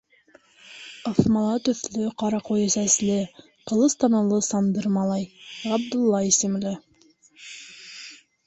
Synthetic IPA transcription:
ɑfmɑlˠɑt̪ɵ̆θlɵqɑɾɑqojɘsæslɘ | qɤ̆lˠɤst̪ɑnɤ̆lˠɤsɑnd̪ɤɾmɑlˠɑjʁæb̚d̪ɵ̆lˠːɑisɘ̆mlɘ

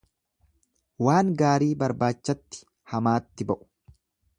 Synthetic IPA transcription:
waːŋɡaːɾiːbɐɾbaːt͡ʃːɐt̪ːɪ̥ | hɐmaːt̪ːɪbɐʔʊ̥

